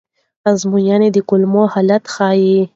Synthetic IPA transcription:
azmujaned̪əkʊlmohalat̪xɑːje

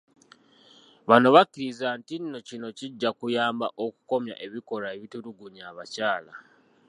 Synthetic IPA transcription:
βano̞βakːiɾizantinno̞cino̞ciɟːakujaːmbaʔoku̥ko̞mja̰ʔe̞βiko̞ɾaeβituɾuɡuɲaːβacaːla

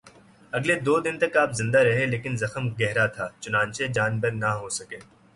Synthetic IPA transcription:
ɐɡled̪oːd̪ɪnt̪ɐkaːpzɪ̃nd̪aɾɐɦeleːkɪnzɐxəmɡɛɦɾat̪ʰaːt͡ʃʊnãːnt͡ʃed͡ʒaːnbəɾnɐɦoːsɐkeː

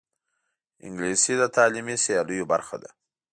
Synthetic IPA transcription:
ɪ̰ŋɡlisid̪ət̪ɑlimisijɑləjobaɾxa̰d̪a̰

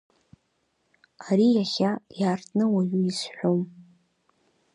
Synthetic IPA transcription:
aɾijaχʲajaːrtʰnɨwaɥuisħʷᶣom

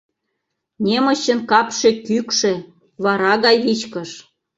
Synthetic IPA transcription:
nʲemə̆ɕə̆nkɑpʃekykʃe | βɑɾɑɣɑjβit͡ɕkə̆ʃ

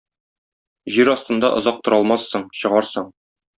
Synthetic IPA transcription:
ʑiɾɒst̪ɤ̆nd̪ɑʔŏzɑq̚t̪ŏɾɑlˠmɑsːɤɴɕɤ̆ʁɑɾsɤɴ

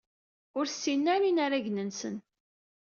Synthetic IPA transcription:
ʊɾsːinːaɾinaɾaʝnənsə̰n

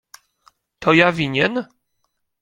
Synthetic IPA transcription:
t̪ʰɔjavʲiɲɛn

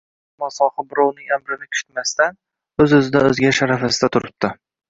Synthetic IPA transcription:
mɒsɒhɑbʊɾownɪambɾɪnɪkʲʰʊ̥ʃt̪mast̪an | ɵzɵzɪd̪aɵzɡʲaʃaɾafasɪd̪at̪ʰʊɾɪp̚t̪ɪ

